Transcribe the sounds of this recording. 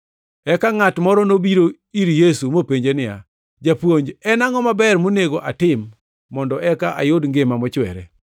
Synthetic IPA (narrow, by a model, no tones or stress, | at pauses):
ɛkaŋatmɔɾɔnobiɾo | iɾjesumopeɲd͡ʒenɪja̰ | d͡ʒapwoɲd͡ʒɛnaŋɔmabɛrmoneɡoʔatɪmː | ɔndɔʔɛkaʔa̰jodŋɡemamɔt͡ʃwɛ̰ɾɛ̰